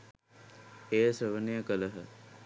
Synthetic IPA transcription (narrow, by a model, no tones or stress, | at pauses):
ejəsəʋənejəkələɦə